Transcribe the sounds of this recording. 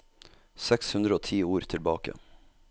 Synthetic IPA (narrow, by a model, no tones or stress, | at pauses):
sɛkshʉnɾəoːt̪ʰiːuːɾt̪ʰɪlbɑːkə̰